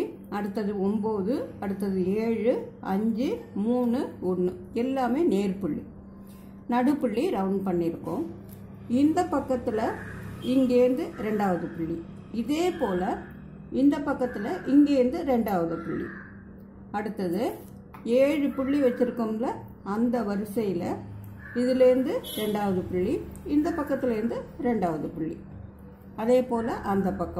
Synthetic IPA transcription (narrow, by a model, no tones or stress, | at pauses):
ɐɽɯt̪ːɐðɯɔmboːðɯɐɽɯt̪ːɐðɯeːɻɯɐɲd͡ʒɯmuːnɯɔɳːɯɛlːaːmeːneːɾpɪɭːḭ | nɐɽɯpɪɭːiɾɐʊɳɖpɐɳːɪɾɯkːʊ̃ | ɪnd̪ɐpɐkːɐt̪ːɪlɐɪŋɡeːnd̪ɯɾɛɳɖaːʋɐðɯpɪɭːi | ɪðeːpoːlɐ | ɪnd̪ɐpːɐkːɐt̪ːɪlɐʔɪŋɡeːɾnd̪ɯɾɛɳɖaːʋɐðɯpɪɭːḭ | ɐɽɯt̪ːɐðɯ | eːɻɯpʊɭːiʋɐt͡ʃːɪɾɯkːɯmlɐ | ɐnd̪ɐʋɐɾɯsɐjɪlɐ | ɪðɪlɛɾɯnd̪ɯɾɛɳɖaːʋɐðɯpɪɭːiɪnd̪ɐpɐkːɐt̪ːɪlɪɾɯnd̪ɯɾɛɳɖaːʋɐðɯpɪɭːḭ | ɐðeːpoːlɐʔɐnd̪ɐpɐkːɐ̃